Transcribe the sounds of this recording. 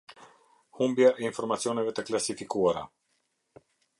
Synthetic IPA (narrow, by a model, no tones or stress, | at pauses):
humbjaʔinfoɾmat̪sionevet̪əklasifikuaɾa